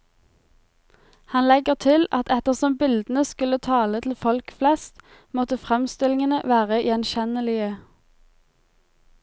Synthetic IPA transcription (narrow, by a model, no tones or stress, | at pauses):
hɑnlɛɡəʁt̪ʰɪlɑt̪ɛt̪əʁsɔmbɪld̪ən̩əskʉlət̪ʰɑːlət̪ʰl̩fɔlkflɛst̪ | mɔt̪əfʁɛmst̪ɪlɪŋənəʋæːʁəj̰ɛnʃɛnəlɪə